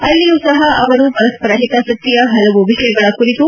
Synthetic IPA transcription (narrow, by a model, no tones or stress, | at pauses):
ɐlːijusɐɦɐʔɐʋɐɾupɐɾɐspɐɾaːɦit̪asɐt̪ijɐɦɐlɐʋuʋiʃɐjɐɡɐɭɐkuɾit̪u